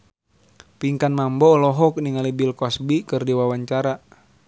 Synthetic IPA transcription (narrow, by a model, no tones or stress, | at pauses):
piŋkanmambɔlɔɦɔk̚niŋalibilkɔsbikɨrdiwawaɲt͡ʃaɾa